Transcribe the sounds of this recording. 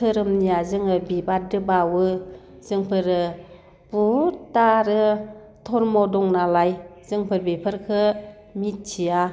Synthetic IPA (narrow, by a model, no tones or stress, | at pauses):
tʰɯɾɯmniazɯŋɯbibadɯbawɯ | z̥ɯŋpʰɯɾɯ | butaɾɯ | tʰɔɾmɔdɔŋnalajz̥ɯŋpʰɯɾbipʰəɾkʰɯ | mit̚t͡ʃʰia